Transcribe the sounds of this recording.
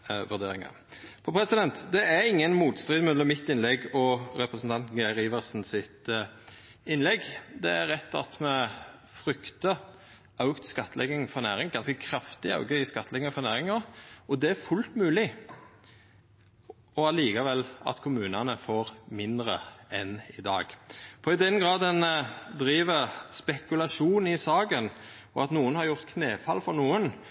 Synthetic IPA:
ʋʉʁd̪ḛːɾɪŋɑ̰ | pʰɔpʰɾɛsɪd̪ɛnt̪d̪ɛæɾɪŋːənmuːt̪st̪ɾɪːd̪mʉəmɪt̪ːɪnlɛɡɔɾɛpɾəsn̩t̪ɑnt̪ɡæɾiːʋəʁsnsɪt̪ | ɪnlɛɡd̪ɛæɾʁɛt̪ːɑ̰t̪mɛ | fɾʏkt̪ə | ʔɑʉkt̪skɑt̪ʰːəlɛɡɪŋfɔɾnæːɾɪŋɡɑnskəkʰɾɑft̪ɪɑ̰ʊɡœʏskɑt̪ʰːəlɛɡəəfɔnæːɾɪŋɑɔd̪ɛæfʉlt̪mʉːlɪ | ɔɑliːkɑʋɛlːɑ̰t̪kʰʊmʉːnɑnəfoːɾmɪnd̪ɾəɛnɪd̪ɑ̰ːɡfɔɪd̪ɛnɡɾɑːd̪ənd̪ɾiːʋəspɛkʉlɑʂuːnɪsɑːɡən | ɔɑt̪nuːənhɑɾjʊɾt̪kʰneːfɑlfɔɾnuːən

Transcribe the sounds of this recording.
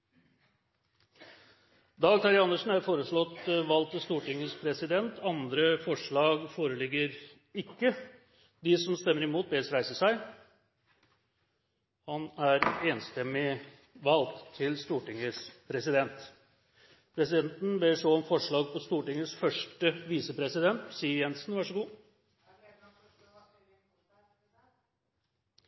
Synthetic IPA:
d̪ɑːɡt̪ʰɑɾɪɑnəʂn̩hæɾfoːɾəʂɭɔt̪ʋɑlt̪ʰːɪlst̪uːʈɪŋːəspʰɾɛsɪd̪ɛnt̪ʰɑnd̪ɾəfɔʂɭɑːɡfoːɾəlɪɡəɾ | ɪkːə | d̪ɪsɔmst̪ɛmːəɾɪmuːt̪̚beːsɾæɪsəʂæɪ | hɑnæɾeːnst̪ɛmːɪ | ʋɑlt̪ʰːɪlst̪uːʈɪŋːəspʰɾɛsɪd̪ɛnt̪ | pʰɾɛsɪd̪ɛnt̪n̩beʂoːɔmfɔʂɭɑːɡ̚pʰɔst̪uːʈɪŋːəsfœʂʈəʋiːsəpɾɛsɪd̪ɛnt̪siːəɾjɛnsn̩ʋɑʂəɡuː

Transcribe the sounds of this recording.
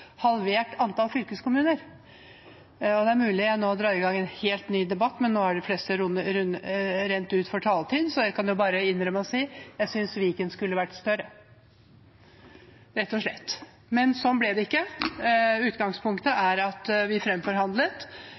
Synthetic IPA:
hɑlʋeːʈɑnt̪ɑːlfʏlkəskʊmʉːnəɾ | ɔd̪ɛæɾmʉːlɪænoːd̪ɾɑːɪɡɑŋːɛnheːlt̪nyːd̪ɛbɑt̪ːmɛnːoːæɖɪflɛst̪əɾʊnəɾʉnɾɛnt̪ʉːt̪fɔʈʰɑːlt̪ʰiːd̪sɔjæɪkʰɑnjʊbɑːɾəɪnːɾœməɔsiːjæɪsʏnsʋiːkənskʉlːəʋæʈːst̪œɾə | ɾɛt̪ːɔʂɭɛ̰t̪ː | mɛnsɔmblɛd̪ɛɪkːə | ʉːt̪ɡɑŋspʰʊŋkt̪əʔæɾɑt̪ʋɪfɾɛmfɔɾhɑnd̪lət̪

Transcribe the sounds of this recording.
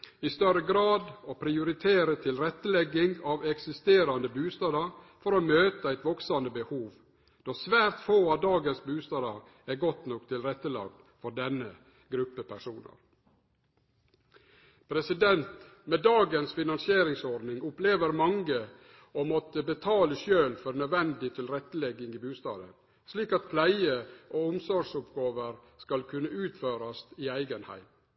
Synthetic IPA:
ɪst̪œɾəɡɾɑːd̪ɔpʰɾɪʊɾɪt̪ʰeːɾət̪ʰɪlɾɛt̪ːəlɛɡɪŋɑʋɛksɪst̪eːɾɑnəbʉːst̪ɑːd̪ɑɾ | fɔɾomøːt̪əæɪt̪ʋɔksɑnəbəhuːʋ | d̪̥ɔsʋæːɾt̪foːɑʋd̪ɑːɡənsbʉːst̪ɑːd̪ɑɾ | æɾɡɔt̪nɔk̚t̪ʰɪlɾɛt̪ːəlɑ̰ːɡ̚d̪ | fɔd̪ɛnːə | ɡɾʉpːəpʰæʂuːnə̰ɾ | pʰɾɛsɪd̪ɛnt̪ | meːd̪ɑːɡənsfɪnɑnsɪeːɾɪŋsɔɖnɪŋʊpleːʋəɾmɑŋə | omɔt̪əbət̪ʰɑːləʃøːlfɔɾnœʋɛnd̪ɪt̪ʰɪlɾɛt̪ːəlɛɡːɪŋɪbʉːst̪ɑ̰ːd̪ə̰n | sliːkɑt̪̚pʰlæɪəʔoːʊmsɔɾʂʊpɡɑːʋəɾ | skɑlkʰʉnːəʉːt̪føːɾɑst̪ɪæɪɡənhæ̰ɪm

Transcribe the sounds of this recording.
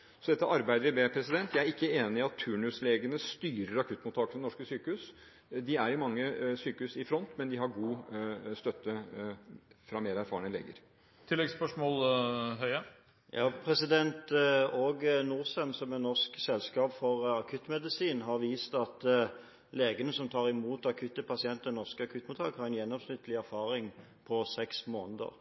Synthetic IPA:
sɔd̪ɛt̪ːəʔɑɾbæɪd̪əʋɪb̪epʰɾɛsɪd̪ɛnt̪ʰjæɪæɾɪkːəeːnɪɪɑt̪ʰːʉːɳʉsleːɡənəst̪yːɾəɾɑkʰʉt̪ːmʊt̪ʰːɑːkəəɛnɔʂkəsyːkəhʉːs | d̪ɪæɾɪmɑŋːəsyːkəhʉsɪfɾɔnt̪mɛnd̪ɪɦɑɾɡuːst̪œt̪ːə | fɾɑmeːɾæɾfɑːəɳəlḛːɡə̰ɾ | t̪ʰɪlːɛɡspœʂmoːlɦœʏɑ | jɑːpʰɾɛsɪd̪ɛnt̪oːɡnuːʁsənsɔmɛnɔʁsksɛlskɑːpfɔʁɑkʰʉt̪ːmɛd̪ɪsiːnɦɑʁʋiːst̪ɑt̪ | leːɡənəsɔmt̪ʰɑːʁɪmuːt̪ɑkʰʉt̪ːəpʰɑsɪɛnt̪d̪ɛnɔʁskəɑkʰʉt̪muːt̪ʰɑːkhɑɾɛnjɛnːɔmsnʏt̪ːəlɪæɾfɑːɾɪŋ | pʰɔsɛksmoːnəd̪ə̰ʁ

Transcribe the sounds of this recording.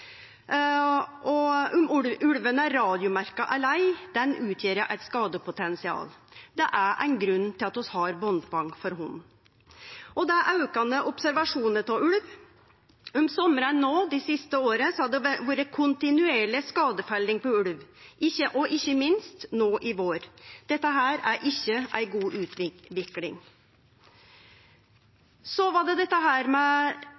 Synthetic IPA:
ʔɔʊmʉɽʉɽʋənəæɾːɑːd̪ɪʊmæɾkɑʔæɭæɪd̪̥ɛnʉːt̪ʰjeːɾjæɪʔæɪt̪skɑːd̪əpʰʊt̪ʰɛnsɪɑ̰ːld̪ɛʔæʔæ̰ɪnɡɾʉnːt̪ʰɪlɑt̪ɔshɑɾbɔnd̪bɑŋfɔɾɦʊn | ʔɔd̪ɛæʔɑʉkɑnəʔʊpsæɾʋɑʂuːnət̪ʰɑʉɽʋ | ʊmsɔməɾənoːd̪ɪsɪst̪əoːɾəsɔhɑd̪ɛʋuːɾəkʰʊnt̪ɪnʉeːɭɪskɑːd̪əfælːɪŋpɔʉlʋʔɪçːəʔɔʔɪçːəmɪnst̪noːʔɪʋoːɾd̪̥ɛt̪ːəɦæːɾæɾʔɪçːəæ̰ɪɡuːʔʉːt̪ɪʋɪklɪŋ | sɔʋɑd̪ɛd̪ɛt̪ːəɦæːɾmɛ

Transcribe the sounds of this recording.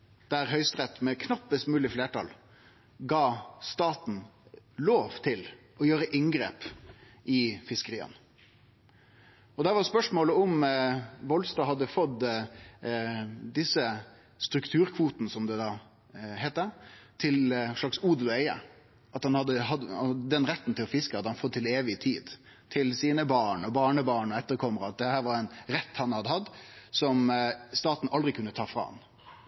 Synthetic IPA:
d̪̥æɾɦœʏst̪ɾɛt̪ːmɛkʰnɑpːəst̪mʉːlɪfleːʈɑ̰l | ɡɑːst̪ɑːt̪n̩ | loːʋt̪ʰɪl | ɔjøːɾəʔɪŋɡɾḛːp | ʔɪfɪskəɾiːə̰n | ɔd̪æʋɑɾspœʂmoːləɔm | ʋɔlst̪ɑːɦɑd̪ːəfɔd̪ | d̪ɪsə | st̪ɾʉkt̪ʰʉːɾkʰʋuːt̪nəsɔmd̪ɛd̪ɑː | hɛɪt̪ːət̪ʰɪlʂɭɑksuːd̪ʉæɪə̰ | ɑt̪hɑnhɑd̪ːəɦɑd̪ɑɔd̪ɛnɾɛt̪ːn̩t̪ʰɪlɔfɪskəhɑd̪əhɑnfɔd̪̚ɪleːʋɪt̪ʰiːd̪ | t̪ʰɪlsiːnəbɑːɳɔbɑːɳəbɑːɳɔɛt̪ːəɾkʰɔməɾəɑt̪̚d̪ɛhæːɾʋɑɾɛnɾɛt̪ːhɑnhɑd̪əhɑd̪sɔmst̪ɑːt̪n̩ʔɑld̪ʁɪkʰʉnːət̪ʰɑːfɾɑ̰ːɑ̰n

